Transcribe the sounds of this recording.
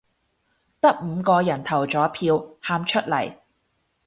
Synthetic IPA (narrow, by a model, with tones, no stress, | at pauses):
t̪ɐ˥k̚m̩˨˧kɔː˧jɐ˨˩nt̪ʰɐ˨˩wt͡sɔː˨˥pʰiː˧whaː˧mt͡ʃʰɵ˥t̚lɐ˨˩j